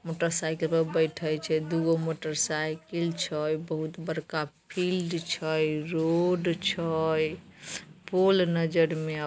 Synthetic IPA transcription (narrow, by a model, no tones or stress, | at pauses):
moʈəɾsajkəlpəɾbəjʈʰəjt͡ʃʰɛd̪uɡomoʈəɾsajkəlt͡ʃʰəjbəɦut̪bəɾkapʰilɖt͡ʃʰəjɾoɖt͡ʃʰəj | polnəd͡ʒəɾme